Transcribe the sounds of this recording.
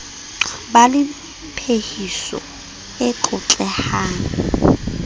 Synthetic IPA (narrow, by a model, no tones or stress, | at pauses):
balɪ | pʰehisɔ̰ | ɪǃʊt͡ɬʼɛhaːŋ